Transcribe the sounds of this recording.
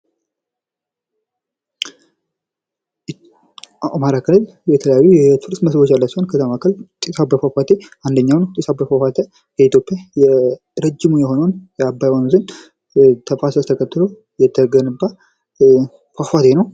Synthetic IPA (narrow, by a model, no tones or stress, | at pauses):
amaɾakʰɨlɨl | bɛt̪ʰələjajujɛt̪ʰɨɾsməsbot͡ʃːjalːəsəonkʰət̪ʰamakʰəlt̪ʼisabəfafat̪ʰe̞ʔand̪əɲːawnət̪ʼisabəfafat̪ʰə | kəit̪jopʼːijajɛ | ɾəd͡ʒːɪmujɛho̞nəwnjɛabːajwanzɨn | t̪ʰəfasəst̪ʰəkʰət̪ːɨlo | jɛt̪ʰːəɡənɨbːa | fafat̪ʰe̞nəw